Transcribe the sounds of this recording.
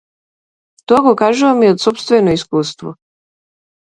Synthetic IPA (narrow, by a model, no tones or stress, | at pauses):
t̪oɡakaːʒuomiod̪sopst̪ʋenoiskuːst̪ʋo̰